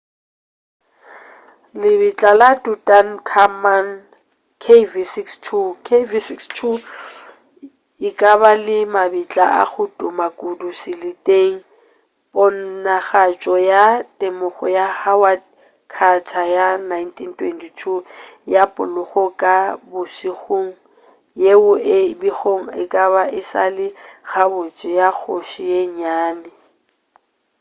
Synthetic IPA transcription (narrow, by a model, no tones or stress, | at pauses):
lɪbɪt͡ɬʼalatutʼankʰaman | kʰevisikstʰukʰevisikstʰu | ɪkʼaβalɪmabit͡ɬʼa̰ʔa̰χʊtʼʊmakʼudusɪlɪtʼeŋ̩ | bɔn̩naχat͡ʃʼɔjatʼemʊχɔ̰jahawa | kʰat͡sʰajanajntʰintʰwɛntʰitʰujapʼʊ̰lʊχɔkʼabʊsiɣoːŋ̩ | jeʊʔɪbiɣoŋ̩ɪkʼaβaʔɪsa̰lɪɣabʊt͡ʃʼɪjak͡xʰoʃijeɲaːnɛ